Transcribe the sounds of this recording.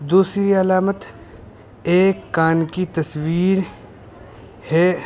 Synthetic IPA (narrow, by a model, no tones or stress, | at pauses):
d̪uːsɾiɐlaːmət̪ | eːkːaːnkit̪ɐswiːɾ | hɛː